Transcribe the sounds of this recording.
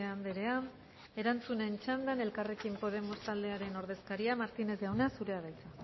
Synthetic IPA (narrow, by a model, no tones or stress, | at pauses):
and̪eɾe̞a | e̞ɾant͡sunent͡ʃand̪ane̞lkare̞kimpo̞ð̞e̞mo̞st̪ald̪e̞aɾe̞no̞ɾð̞e̞skaɾiamaɾt̪ine̞zawnasuɾe̞aðajt͡sa